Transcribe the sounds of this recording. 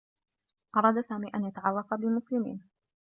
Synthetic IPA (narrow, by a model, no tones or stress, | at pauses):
ʔɑɾˤɑːd̪saːmiːʔanjat̪aʕɑlˤːɑqɑbɪmʊslɪmḭːn